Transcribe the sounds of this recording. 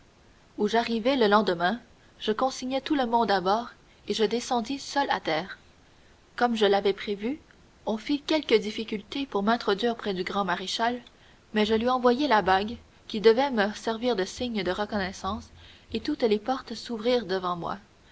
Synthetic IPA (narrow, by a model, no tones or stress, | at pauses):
uʒaʁivɛləlɑ̃d̪əmɛ̃ | ʒ̥əkɔ̃siɲɛt̪uləmɔ̃d̪abɔːʁ | eʒəd̪esɑ̃d̪isœla̰t̪ɛːʁ | kɔmʒəlavɛpχevy | ɔ̃fikʲɛlkʲəd̪ifikʲylt̪epuʁmɛ̃t̪χɔd̪ɥiːʁpχɛd̪yɡʁɑ̃maʁeʃal | mɛʒəlɥiɑ̃vwajɛlabaɡ | kʲid̪əvɛməsɛʁviːʁd̪əsiɲd̪əʁəkɔnɛsɑ̃set̪ut̪lepɔʁt̪suvʁiːʁd̪əvɑ̃mwa̰